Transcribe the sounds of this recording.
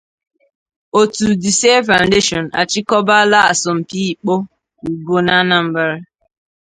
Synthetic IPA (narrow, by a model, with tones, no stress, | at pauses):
o˨tu˨di˨se˦fa˨ʊ̃˨nde˦ʃɔ˨na̰˨t͡ʃɪ˦kɔ˦ba˦la˦a˨sɔ˨m̩˨pi˦i˨k͡po˦ | u˨ɡo˦na˦na˨m̩˦ba˦ɾ